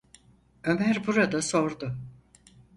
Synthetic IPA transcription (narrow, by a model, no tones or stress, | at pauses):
ø̞mæɾbuɾad̪aso̞ɾd̪ʊ